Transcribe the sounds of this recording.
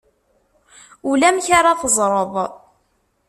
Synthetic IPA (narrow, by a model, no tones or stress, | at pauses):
ulæmçaɾaθəzˤɾˤəðˤ